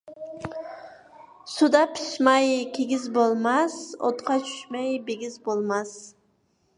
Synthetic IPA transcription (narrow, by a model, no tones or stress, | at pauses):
sud̪ɑpʰi̥ʃmɑjkʲʰeɡʲizbolˠmɑso̰t̪qʰɑt͡ʃʰy̥ʃmɑjbeɡʲizbolˠmɑs